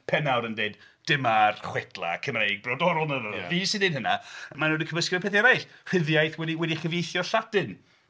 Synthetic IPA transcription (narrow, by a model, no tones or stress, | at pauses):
pʰɛnawɾəndeːd | d̥ɪmarχwɛtlˠa̰kʰəmrejɡ̚brɔdɔɾʊlˠnənəviːsɪnɪnɦəna̰manunəkʰəməskrɨpʰɛθjɛɾajɬr̥ɪðjajθwɛdiwɛdiχəvejθjɔɬadɨn